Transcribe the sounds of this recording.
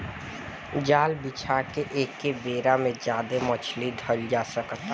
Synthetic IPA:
d͡ʒaːlbɪt͡ʃʰakeʔeːkːebeːɾamẽd͡ʒjaːd̪emət͡ʃʰliɖʱəld͡ʒaːsəkt̪

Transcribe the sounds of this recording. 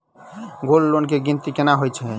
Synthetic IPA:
ɡolːonk̬eɡint̪ikenaɦojt͡ʃʰɛ

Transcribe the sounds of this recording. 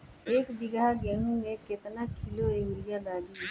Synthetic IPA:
eːkbɪɡaɡẽːɦũmẽkɪt̪nakʰɪloeːʋɪlɪjalaːɡi

